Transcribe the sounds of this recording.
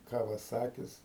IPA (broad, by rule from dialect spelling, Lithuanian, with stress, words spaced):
ˌkɑːʋɐˈsɑːkʲɪs